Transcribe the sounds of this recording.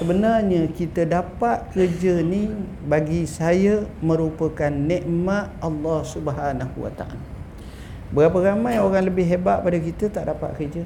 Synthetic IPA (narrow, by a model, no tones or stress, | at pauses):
səbənarɲəkit̪ədapat̪̚kərd͡ʒəni | baɡisajəmə̃ɾupəkanːɛʔmat̪̚ʔɑlːɑhsubəɦanahṵwa̰t̪a̰ʔa̰la | bəɣapəɾamãjoɾaŋləbɪɦɦebaʔ̚padəkit̪ət̪aʔdapa̰ʔ̪̚kərd͡ʒə